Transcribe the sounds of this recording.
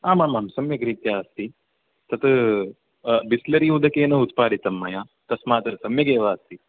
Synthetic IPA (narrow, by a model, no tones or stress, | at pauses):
aːmaːmːaːmsɐmjɐɡɾit̪jaːɐst̪i | t̪ɐt̪ | bislɐɾiud̪ɐkeːnɐut̪paːɽit̪ɐmːɐjaː | t̪ɐsmaːt̪ɐsɐmjɐɡeːʋaːɐst̪i